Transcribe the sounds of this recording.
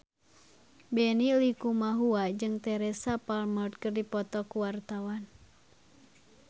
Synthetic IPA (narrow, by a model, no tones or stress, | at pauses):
bɛnilikumaɦuad͡ʒɨŋt̪ɛɾɛsapalmɔrd̪̚kɨrdipɔt̪ɔkuwart̪awan